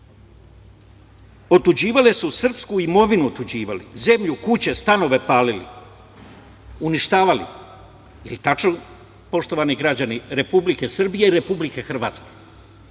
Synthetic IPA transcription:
ot̪ud͡ʑiːʋalesusr̩pskuimo̞ʋinuot̪ud͡ʑiːʋalḭze̞mʎukut͡ɕe̞st̪ano̞ʋe̞paːlilḭ | uniʃt̪aːʋalḭ | jelit̪at͡ʃno | po̞ʃt̪o̞ʋaniɡɾad͡ʑaniɾe̞publike̞sr̩bije̞iɾe̞publike̞xr̩ʋaːt̪ske̥

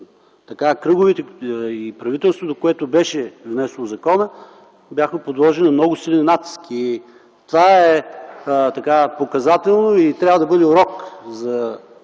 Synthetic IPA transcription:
t̪ɐkakɾɤɡʊvit̪ɛipɾɐvit̪ɛlˠst̪vot̪okoɛt̪ʊbɛʃɛvnɛsɛlˠozɐkɔnə | bjaxmɛpod̪lˠɔʒɛnnɐmnɔɡʊsilʲˠɛnʲinat̪i̥ski | t̪ovaɛ | t̪ɐkapokɐzat̪ɛlˠnoit̪ɾʲabvɐd̪ɐbɤd̪ɛuɾɔkzɐ

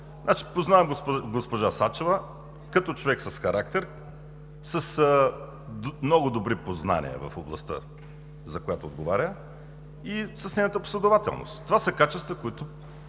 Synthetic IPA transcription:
znat͡ʃi̥poznavɛmɡoɡospoʒasat͡ʃevə | kɐt̪ɔt͡ʃovɛksəsxɐɾak̚t̪ɛɾ | sɐs | mnɔɡʊd̪obɾipozna̰nḭə̰vɐ̰foblˠɐ̰st̪ə̰ | zɐkojat̪oːd̪ɡovaɾʲjə | isɐsnɛjnət̪əpo̥slʲɛd̪ovat̪ɛ̰lˠno̰st̪t̪ːovasəkat͡ʃɛst̪vəkoit̪ʊ

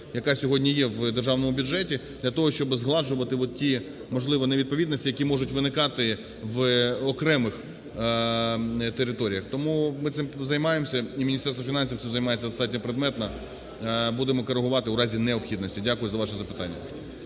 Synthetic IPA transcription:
jɐkɑsʲɔɦɔdʲnʲijɛʋd̪erʒɑwnɔmʊbʲʊdʒɛtʲi | d̪lʲɐt̪ɔɦɔʃt͡ʃɔbɪzɦlˠɑʒʊʋɐt̪ɪʋɔt̪̚tʲi | mɔʒlˠɪʋɔneʋʲid̪̚pɔʋʲid̪nɔsʲtʲijɐkʲimɔʒʊtʲʋɪnɪkɑt̪ɪ | ʋɔkɾɛmɪx | t̪eɾɪt̪ɔɾʲijɐxt̪ɔmumɪt̪ɪmzɐjmɑjemsʲɐimʲinʲist̪ɛrst̪ʋɔfʲinɑnʲsʲiw̪sɪmzɐjmɑjet͡sʲːɐd̪ɔst̪ɑt̚ʲnʲɔpɾed̪mɛt̪nɐ | bud̪emɔkɔɾeɦʊʋɑt̪ɪuɾɑzʲinɛɔpxʲid̪nɔsʲtʲidʲakʊjʊzɐʋɑʃɛzɐpɪ̥t̪ɑ̰nʲːɐ̰

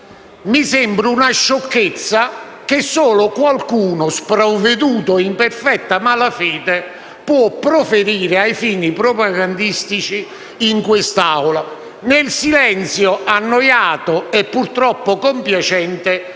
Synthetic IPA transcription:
misɛmbɾʊunaʃːɔkːet̪sːak̟ɪsːɔːlʊkwalkuːnʊspɾavːed̪uːt̪ʊimpɛrfɛt̪ːamalafɛːd̪ɪ | pwɔpːɾofeɾiːɾɪajfiːnipɾɔpaɡand̪ist̪it͡ʃiː | ŋkwɪst̪awla | nelsilɛnt̪sjoʔanːɔjaːt̪ʊɛpːurt̪ɾɔpːʊkompjat͡ʃɛnt̪ɪ

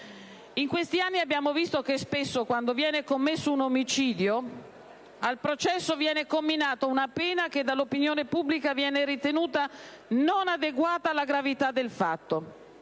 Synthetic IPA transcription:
iŋkwest̪ianːiabːjaːmovist̪okespesːokwand̪ovjɛːnekomːesːounomit͡ʃiːd̪jo | alpɾot͡ʃɛsːovjɛːnekomːinaːt̪ounapɛːnak̟ed̪alːopinjoːnepubːlikavjɛːneɾit̪enuːt̪a | nonad̪eɡwaːt̪aːlːaɡɾavit̪ad̪ːelfat̪ːo

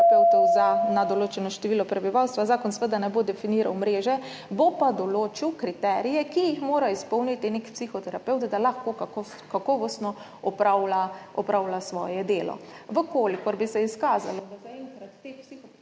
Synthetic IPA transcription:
ɛwt̪ɔwzanad̪ɔloːt͡ʃɛnɔʃt̪ɛʋiːlɔpɾɛbiʋawst̪ʋazaːkɔnsʋəd̪anɛbod̪ɛfiniːɾawmɾeːʒɛ | bopad̪ɔloːt͡ʃiwkɾit̪ɛːɾijɛkijixmoːɾaispɔwnit̪inekpsixɔt̪ɛɾapɛwt̪d̪alaxkok | kakɔːʋɔst̪nɔ | ɔpɾawlaɔpɾawlasʋɔ̰ːjɛd̪eːlɔ̰ʋəkolikɔɾbisɛiskaːza̰lɔd̪azaɛŋkɾat̪ːepsixɔ

